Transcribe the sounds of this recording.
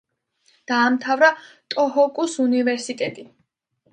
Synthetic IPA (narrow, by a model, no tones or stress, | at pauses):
d̪̥aːmt̪ʰavɾa | t̪ʼɔɦɔkʼusunivɛɾsit̪ʼɛt̪ʼi